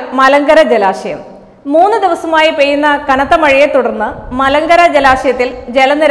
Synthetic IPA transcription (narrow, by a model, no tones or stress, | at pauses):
mɐlɐŋɡɐɾɐd͡ʑelaːʂɐjɐ̰m | mːuːnːɨd̪iʋɐsɐmaːjipejːunːɐkɐnɐt̪ːɐmɐɻijet̪ːuɽɐrnːɨmɐlɐŋɡɐɾɐd͡ʑelaːʂɐjɐt̪ːild͡ʑelɐnːiɾ